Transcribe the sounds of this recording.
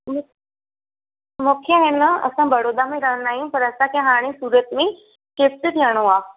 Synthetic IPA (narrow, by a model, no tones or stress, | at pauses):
mʊ | mʊkʰjəɦenəə̰sãbəɽoːd̪amẽɾəɦnaːɦjũpəɾəsãkjãɦaːɽ̃ĩsuːɾət̪mẽ | kep̚sət̪jaɽ̃õaː